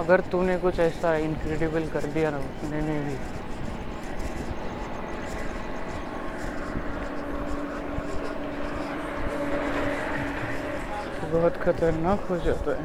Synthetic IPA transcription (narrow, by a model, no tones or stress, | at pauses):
ɐɡəɾt̪unekʊt͡ʃʰɛːsaɪnkɾeːɖɪbəlkɐɾd̪ijaʊpnemẽbʱi | t̪obɔɦʊt̪kʰɐt̪əɾnaːkɦod͡ʒaːt̪aɦɛ